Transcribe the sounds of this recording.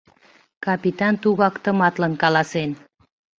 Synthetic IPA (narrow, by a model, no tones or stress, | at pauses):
kɑpit̪ɑnt̪uɣɑkt̪ə̆mɑt̪lənkɑlɑsen